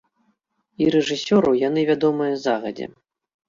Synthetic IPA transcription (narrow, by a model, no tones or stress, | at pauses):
iɾɛʐɨsʲɔɾɐwjan̪ɨvʲad̪ɔmɨjɐzaɣɐd͡zʲɛ̰